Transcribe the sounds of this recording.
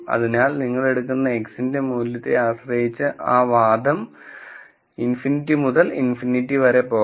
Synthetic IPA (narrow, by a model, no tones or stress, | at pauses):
ɐ̰ðinaːlniŋːɐɭe̞ɽukːunːɐeksinde̞muːljɐt̪ːeaːɕrɐjit͡ɕːɨʔaːʋaːd̪ʱɐm | infinitːimuðɐlḭnfinitːiʋɐɾe̞poː